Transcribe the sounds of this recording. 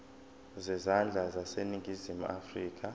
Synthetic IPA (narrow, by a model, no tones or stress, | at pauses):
zɛzand͡ɮʱazaseniŋɡʱizimua̰friːk̬ʰʼa